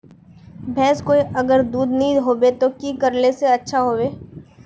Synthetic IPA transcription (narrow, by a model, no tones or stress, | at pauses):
bʱɛ̃ːskoːiʔɐɡəɾd̪uːd̪nɐɦĩɦoːbet̪okiːkəɾleseɐtːʃʰaɦoːʋeː